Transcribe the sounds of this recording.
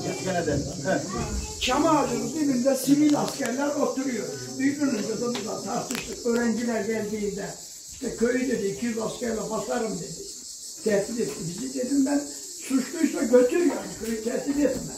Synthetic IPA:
ɛd̪ɛ | t͡ʃʰamaːd̪ɯnɯbibind̪ɛsivilʲascʲæɾlʲæɾot̪uɾujo̞ɾubyjlyɾlynd̪ad̪ab̪ud̪ˠat̪ʰaɾt̪ʰɯʃlˠɯkøːɾæɲd͡ʒilʲæɾɟælʲd̪iːnd̪ɛ | iʃt̪ɛkʰø̞jyd̪ed̪iːcʰijylˠascæɾlɛbasaɾɯmd̪e̞d̪i | t̪ʰɛːsilet̪ʰːimbizid̪e̞d̪imbæn | sut͡ʃlˠujsaɟø̞t̪ʰyɾjaɾkʲʰøjyt̪ʰɛsilet̪imbɛ

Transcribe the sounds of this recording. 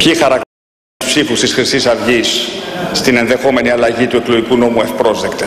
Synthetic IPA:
pçixɐɾɐk | spsifust̪isxɾisisɐvʝisːt̪ine̞nðe̞xo̞me̞niɐlɐʝit̪ue̞klo̞ʝikuno̞muefpɾo̞zðekt̪e

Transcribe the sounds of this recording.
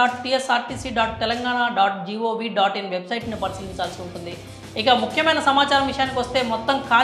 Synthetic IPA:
aːʈʈiːesaːɾʈiːsiːɖaːʈ̚t̪ɛlɐŋɡaːɳaːɖaːʈ̚d͡ʒiːoːʋiːɖaːʈinʋebsɐjʈnipɐɾisiːɡiɲt͡ʃaːlsiuɳʈund̪i | ikamukʰjɐmɐjnɐsɐmaːt͡ʃaːɾɐmʋiʂɐjaːnikiʋɐst̪e̞ːmɔt̪ːɐmkʰaː

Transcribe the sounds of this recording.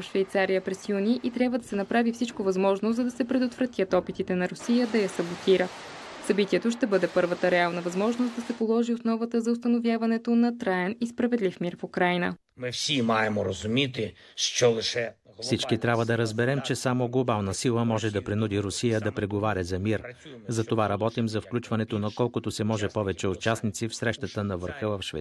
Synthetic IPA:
fʃvɛjt̪saɾijəpɾɛsjuniʔit̪ɾʲjabvəd̪ɐsɛnɐpɾavifsit͡ʃkovɐzmɔʒnozɐd̪ɐsɛpɾɛd̪ot̪vɾɐt̪ʲjət̪ɔpit̪it̪ɛnɐɾʊsijəd̪ɐjɐsɐbot̪iɾə | sɐbit̪iɛt̪oʃt̪ɛbɤd̪ɛpɤɾvət̪əɾɛalˠnəvɐzmɔʒnost̪d̪ɐsɛpolˠɔʒiosnɔvət̪əzɐʊst̪ɐnovjavɐnɛt̪onɐt̪ɾaɛnispɾɐvɛd̪lifmiɾfukɾajnə̰ | mɪfsʲimajɛmɔɾɐzʊmʲit̪ɪ | ʃt͡ʃɔlˠɪʃɛ | fsit͡ʃkit̪ɾʲabvəd̪ɐɾɐzbɛɾɛmt͡ʃɛsamoɡlˠobalˠnəsilˠəmɔʒɛd̪ɐpɾinud̪iɾʊsijəd̪ɐpɾɛɡovaɾʲɐzɐmiɾzɐt̪ovaɾɐbɔt̪imzɐfklʲut͡ʃvɐnɛt̪onɐkɔlˠkʊt̪osɛmɔʒɛpɔvɛt͡ʃɛʊt͡ʃasnit̪sifsɾɛʃt̪ət̪ənɐvəɾxəvɐfʃvɛ̰

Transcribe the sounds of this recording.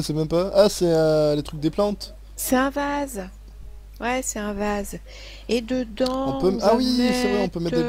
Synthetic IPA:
əsɛmɛ̃mpaasɛɛlet̪χyk̚d̪eplɑ̃t̪ | sɛt̪ɛ̃vaz | wɛsɛt̪ɛ̃vaz | ed̪əd̪ɑ̃ɔ̃pøawisɛvʁɛɔ̃pømɛt̪d̪e

